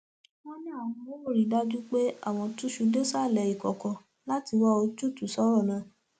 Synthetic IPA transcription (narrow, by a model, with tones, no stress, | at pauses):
wɔ̃˦nĩ˦a˦˨w̃ɔ̃˧o˦wo˦˨ɾi˨da˦d͡ʒu˦k͡pe˦a̰˦˨w̃ɔ̃˧tũ˦ʃu˧de˦sa˦˨lɛ˧˨i˨kɔ˨kɔ˨ | la˦ti˧wa˦o˧d͡ʒu˦˨tu˨sɔ˨˦ɾɔ˦˨nãː˧˨